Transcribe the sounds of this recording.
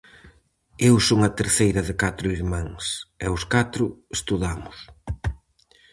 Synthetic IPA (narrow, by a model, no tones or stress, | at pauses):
ewsoŋɐt̪eɾθejɾɐðɪkat̪ɾʊiɾmãŋsɛʊskat̪ɾʊest̪uðamʊs